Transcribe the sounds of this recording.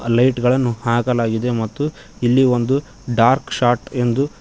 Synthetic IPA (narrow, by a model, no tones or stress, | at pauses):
lɐjʈɡɐɭɐnːuhaːkɐlaːɡid̪e̞mɐt̪ːu | ilːio̞nd̪u | ɖaːɾkʃaːʈe̞nd̪u